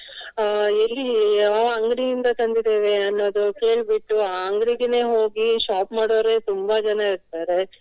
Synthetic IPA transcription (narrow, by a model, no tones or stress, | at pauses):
elːiaɐŋɡɾijind̪ɐt̪ɐnd̪id̪eːʋe̞ɐnːoːd̪uke̞ːɭbiʈːuaɐŋɡɾiɡene̞ːɦoːɡiʃaːpmaːɽoːɾe̞ːt̪umbɐd͡ʒɐnɐiɾt̪aːɾe̞